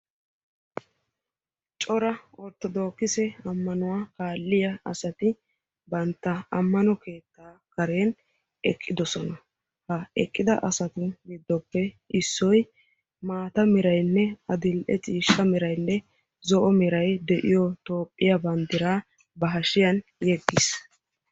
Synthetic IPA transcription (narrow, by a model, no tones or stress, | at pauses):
t͡ʃʼɔɾɐɔɾt̪ːɔd̪o̞ːkːɪsɛɐmːɐnʊwaːkaːlːɪjɐɐsɐt̪ɪ | bɐnt̪ːɐɐmːɐnɔke̞ːt̪ːaːkɐɾe̞ːn | ʔɛkʼːɪd̪ɔsɔnɐ | hɐɛkʼːɪd̪ɐ̰ʔɐsɐt̪ɪɡɪd̪ːɔpːɛ | ɪsːɔj | maːt̪ɐmɪɾɐjnːɛɐd̪ɪlʔɛt͡sʼiːʃɐmɪɾɐjnːɛ | zɔʔɔmɛɾɐjd̪ɛʔɪjɔt̪o̞ːpʼːɪjɐbɐnd̪ɪɾaː | bɐɦɐʃɪjɐnjɛɡːɪs